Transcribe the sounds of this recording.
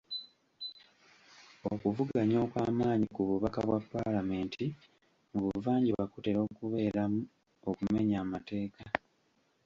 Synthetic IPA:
okuvuɡaɲo̞ːkwaːmaːɲikuβuβakaβwapːalame̞ːntʰi | muβuvaːɲɟiβakute̞ɾo̞ːkuβe̞ːɾamu | o̞kume̞ɲaːmate̞ːka

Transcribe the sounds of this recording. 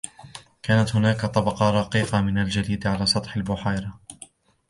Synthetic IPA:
kaːnat̪hʊnaːkt̪ˤɑbɑqɑɾˤɑqiːqɑmɪnald͡ʒad̪iːd̪ʕalaːsˤɑt̪ˤħalbʊħaːɾɑ

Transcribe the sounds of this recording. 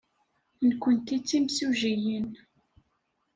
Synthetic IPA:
nkʷənt̪it͡sːimsuʒijən

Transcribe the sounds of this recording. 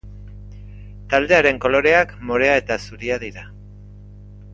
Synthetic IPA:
t̪ald̪e̞aɾe̞ŋko̞lo̞ɾe̞akmo̞ɾe̞ae̞t̪asuɾiaðiɾa

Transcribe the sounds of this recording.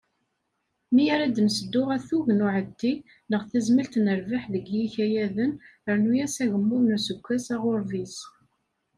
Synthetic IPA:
mijaɾæd̪nsəd̪ːʊʁæθuʝnʊʕət̪ːi | nəʁθæzməlt̪nəɾvaħðəɡjiçæjæðənəɾnujæsæʝəmːʊðnusəɡʷːæsaʁʊɾvis

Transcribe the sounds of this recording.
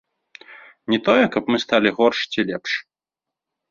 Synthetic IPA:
nʲɛt̪ɔjɛkɐpmɨst̪alʲiɣɔrʂt͡sʲilʲɛpʂ

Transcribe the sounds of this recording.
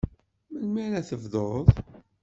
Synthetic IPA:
mənmæɾæθəvðˤoðˤ

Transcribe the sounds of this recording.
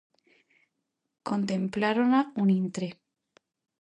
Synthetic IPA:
ko̞nt̪ẽ̞mplaɾonaunĩnt̪ɾe

